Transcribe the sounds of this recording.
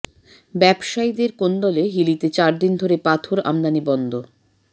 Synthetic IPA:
bɛbʃaid̪eɾkond̪ɔleɦilit̪et͡ɕaɾd̪ind̪ʱoɾepat̪ʰoɾa̰md̪anibɔnd̪o

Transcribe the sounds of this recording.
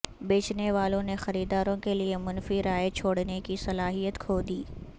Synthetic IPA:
beːt͡ʃneʋaːlõnexɐɾiːd̪aːɾõkeliemʊnfiɾaːjt͡ʃʰoːɽnekisɐlaːɦijət̪kʰoːd̪iː

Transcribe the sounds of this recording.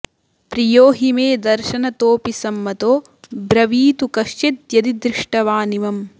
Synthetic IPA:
pɾijoːɦimeːd̪ɐɾʃɐnɐt̪oːpisɐmːɐt̪oː | bɾɐʋiːt̪ukɐʃt͡ʃet̪̚jɐd̪id̪ɾɪʂʈɐʋaːniʋɐm

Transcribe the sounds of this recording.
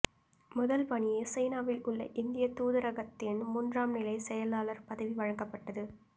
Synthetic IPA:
mʊðɐlpɐɳɪjeːsɛjnaːʋɪlʊɭːɐ̰ʔɪnd̪ɪjɐt̪uːðɐɾɐɣɐt̪ːɪnmuːndraːmnɪlɐɪsɛjɐlaːlɐɾpɐðɐʋiʋɐɻɐŋɡɐpːɐʈːɐðɯ

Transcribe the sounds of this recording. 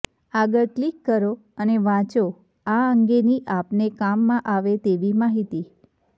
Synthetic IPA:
aɡəɭklikːəɾo | əneʋãt͡ʃo | aəŋɡeniʔapnekamːãʔaʋet̪eʋimaɦit̪i

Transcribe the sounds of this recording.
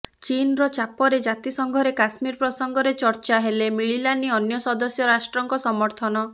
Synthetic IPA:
t͡ʃinɾɔt͡ʃapɔɾed͡ʒat̪isɔŋɡʱɔɾekasmiɾpɾɔsɔŋɡɔɾet͡ʃɔɾt͡ʃaɦelemiɭilaniɔnjɔsɔd̪ɔsjɔɾasʈɾɔŋkɔsɔmɔɾt̪ʰɔnɔ

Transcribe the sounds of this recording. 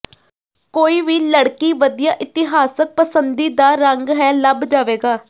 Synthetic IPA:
koːiːʋiːləɽkiːʋəd̪ijaːʔɪt̪ɪɦaːsək̚pəsənd̪iːd̪aːɾəŋɡɦɛːləbd͡ʒaːʋeːɡaː

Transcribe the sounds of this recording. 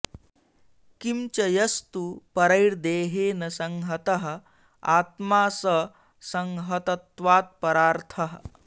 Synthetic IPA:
kimt͡ʃɐjɐst̪upɐɾɐjɽd̪eːɦeːnɐsɐŋɦɐt̪ɐɦɐ̆ | aːt̪maːsɐ | sɐŋɦɐt̪ɐt̪ʋaːt̪̚pɐɾaːɾt̪ʰɐɦə

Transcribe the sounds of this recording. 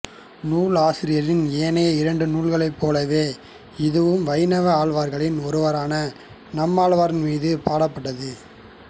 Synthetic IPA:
nuːɭaːsɪɾɪjɐɾɪneːneːɐɪɾɐɳɖɯnuːɭɣɐɭɐɪpːoːlɐʋeː | ɪðɯʋɯmʋɐɪnɐʋɐaːɭʋaːɾɣɐɭɪnɔɾɯʋɐɾaːnɐ | nɐmːaːɭʋaːɾɪnmiːðɯpaːɽɐpːɐʈːɐðɯ

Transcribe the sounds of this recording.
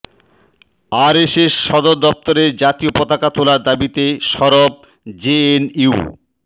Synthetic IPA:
aɾeʃeʃːɔd̪oɾd̪ɔp̚t̪oɾeɾd͡ʑat̪iopɔt̪akat̪ʰolaɾd̪abit̪eʃɔɾob̚ | d͡ʑeeniu

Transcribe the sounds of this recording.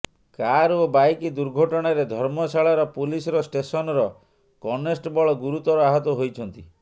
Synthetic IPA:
kaɾobajkid̪uɾɡʱɔʈɔɽ̃aɾed̪ʱɔɾmɔsaɭaɾɔpulisɔɾɔsʈesɔnɔɾɔ | kɔnesʈbɔɭɔɡuɾut̪ɔɾɔaɦɔt̪ɔɦojt͡ʃʰɔnt̪i

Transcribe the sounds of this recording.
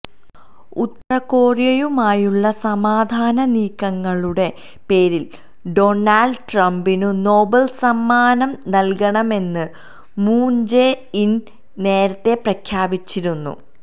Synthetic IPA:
ut̪ːɐrɐkːo̞ːrjɐjumaːjuɭːɐsɐmaːd̪ʱaːnɐniːkːɐŋːɐɭuɽe̞ | pe̞ːɾil | ɖo̞naːɭɖʈrɐmbinuno̞ːbɐlsɐmːaːnɐmnɐlkɐɳɐme̞nːɨ | muːnd͡ʑein | ne̞ːɾɐt̪ːe̞prɐkʰjaːbit͡ɕːiɾunːṵ

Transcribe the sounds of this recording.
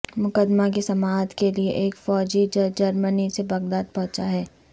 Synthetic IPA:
mʊkəd̪makesɐmaːd̪kelieʔeːkfɔːd͡ʒid͡ʒəd͡ʒɐɾmənisebɐɡd̪aːd̪̚pɔ̃ɦt͡ʃaɦɛː

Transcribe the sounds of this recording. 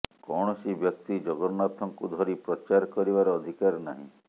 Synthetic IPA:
kɔɳ̃ɔsibjɔk̚t̪id͡ʒɔɡɔɾnat̪ʰɔŋkud̪ʱɔɾipɾɔt͡ʃaɾkɔɾibaɾɔːd̪ʱikaɾnaɦḭ̃

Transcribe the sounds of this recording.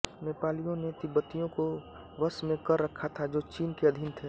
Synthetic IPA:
meːpaːlijõnet̪ɪbət̪ijõko | ʋəsmẽkəɾːəkʰːat̪ʰad͡ʒoːt͡ʃiːnkeɐd̪ʱɪnt̪ʰe

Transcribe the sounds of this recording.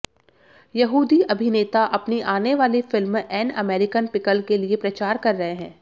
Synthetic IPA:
jɐɦuːd̪iʔɐbʱɪneːt̪aʔɐpniʔaːneʋaːlifɪlmɛːnɐmeːɾɪkənpɪkəlkeliepɾɐt͡ʃaːɾkɐɾːɐɦeɦɛ̃ː

